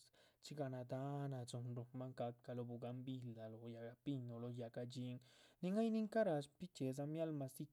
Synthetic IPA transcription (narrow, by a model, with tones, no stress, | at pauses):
s | t͡ʃi˦ɡa˧na˨d̪a˦na˨zo˨nɾo˧ma˦ŋka˧kːa˧lo˧bu˨ɡa˧mbi˧ld̪a˨lo˨ja˨ɡa˧pi˦˧ɲo˨lo˧ja˨ɡa˧d͡ʒi˦ŋni˧ŋa˦jni˦ŋka˦ɾa˧ʃpi˦t͡ʃe˨z̬a˧mja˦lma˧si˦